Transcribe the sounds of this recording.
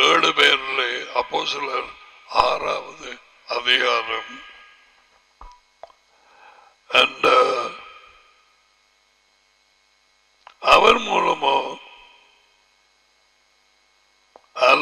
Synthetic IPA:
eːɽɨpeːɾileɐpːoːsilɐɾ | aːraːʋɐðɨ | ɐðiɣaːɾɐm | ɐnɖ | ɐʋɐnmuːlɐmoː | ɐl

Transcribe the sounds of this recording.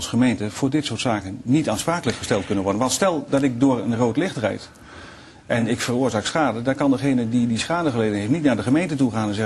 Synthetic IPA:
lˠsχəmejntəv̥ʊːɹdɪtsʊːɹtsaːkənnitaːnspraːkələkχəstɛlˠt̚kɵnənʋɔɹdənʋɑntstɛlˠdɑtɪk̚dʊːɹənrowtlɪχtərɛ̰jt | ʔɛnɪkfərʊːɹzaːksχaːdədaːɹkɑndəχejnədidisχaːdəχəlejdənɦeɪftnitnaːɹdəχəmejntətuχaːnɛnzɛ

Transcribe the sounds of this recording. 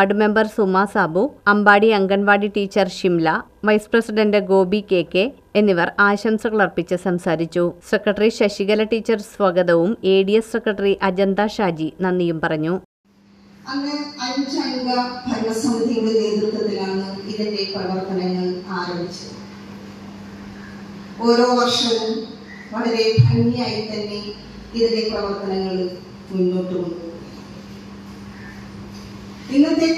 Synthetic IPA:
aɖɨme̞mbɐrsumaːsaːbuɐmbaːɽiɐŋɡɐnʋaːɽiʈiːt͡ɕːɐrɕimlɐʋɐjsprɐsiɖɐndɨɡo̞ːbikːe̞ːkːe | enːiʋɐraːɕɐmsɐɣɐɭɐrpit͡ɕːɨsɐmsaːɾit͡ɕːuse̞krɐʈːɐriɕɐɕiɣɐlɐʈiːt͡ɕːɐrsʋɐɡɐðɐʋume̞ːɽijɐsse̞krɐʈːɐriʔɐd͡ʑɐnd̪aɕaːd͡ʑinɐnːijumpɐrɐɲːu | ɐŋːeɐnud͡ʑaːjuɡɐbʱɐɾmɐsɐmɡɐðijuːɽeneːd̪rut̪ːɐt̪ːilaːɳnːɨiðinde̞prɐʋɐrt̪ɐnɐŋːɐɭaːɾɐmbit͡ɕːu | o̞ːɾo̞ːʋɐrʂɐʋum | ʋɐɭɐɾe̞bɐɲːɐjaːjit̪ːɐnːe̞ | iðinde̞prɐʋɐrt̪ɐnɐŋːɐɭ | munːoːʈːukoɳɖu | inːɐt̪ːe

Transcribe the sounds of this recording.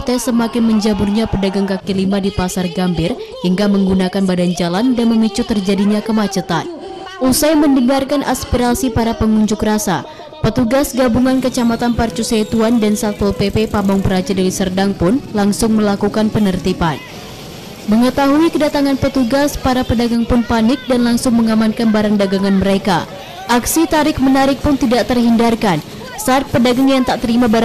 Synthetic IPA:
t̪ɛsəmakɪnməɲd͡ʒabʊrɲapədaɡaŋkakilimadipasarɡambɪrhiŋkaməŋɡunakanbadand͡ʒalandanməmit͡ʃut̪ərd͡ʒadiɲakəmat͡ʃət̪an | ʔusajməndəŋarkanʔaspiɾasipaɾapəŋuɲd͡ʒʊkrasa̰ | pət̪uɡasɡabuŋankət͡ʃamat̪anpart͡ʃusat̪uandansat̪̚pɔlpepepamɔŋpəɾad͡ʒadalisərdaŋpʊnlaŋsʊŋməlakukanpənərt̪ipan | məŋət̪aɦuikədat̪aŋanpət̪uɡaspaɾapədaɡaŋpʊnpanɪk̚danlaŋsʊŋməŋamankanbaɾandaɡaŋanməɾeka | ʔaksit̪aɾɪk̚mənaɾɪk̚pʊnt̪idaʔt̪ərhindarkan | saːt̪̚pədaɡaŋjaŋt̪aʔt̪əɾimabaɾ

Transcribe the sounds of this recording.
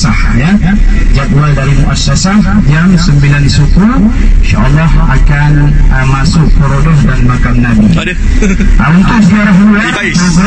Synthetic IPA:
sa | jad͡ʒak̪waldaɾimuʔasasahd͡ʒamsəmbilandisukuiʃa̰ʔalːɑɦakanəmasʊʔ̚pəɾodɔhdanmakamnabi | ʔaunt̪uʔsəɡiaɾaɦmuda | sa

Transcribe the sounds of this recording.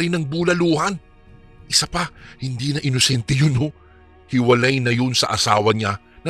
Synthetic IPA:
ɾɪnɐŋbuːlɐluːhɐn | ʔɪsapɐhɪnd̪iːnɐʔɪnosɛnt̪ɛjʊno | hɪwɐlajnɐjonsɐ̰ʔɐsa̰ːwɐɲa | nɐ

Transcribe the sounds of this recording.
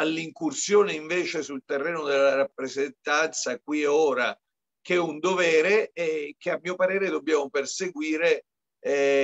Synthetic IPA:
alːiŋkursjoːneiɱveːt͡ʃesult̪erːɛːnod̪elːaɾapːɾezent̪ant̪sakwioːɾa | kɛund̪ovɛːɾeɛk̟eamːiːopaɾeːɾed̪obːjaːmoperseɡwiːɾe

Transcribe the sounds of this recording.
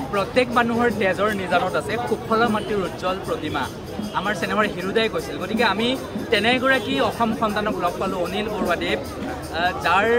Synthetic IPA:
pɹɔt̪jɛkmanuɦɔɹtɛzɔɹnizanɔtasɛxub̚ʰɔlamatːiɹuzɔlpɹɔtima̰ | amaɹsinɛmaɹɦiɹudajkojsilɡotikɛamitɛnɛɡɔɹakiɔxɔmxɔntanɔklɔɡ̚palʊonilboɹuade | zaɹ

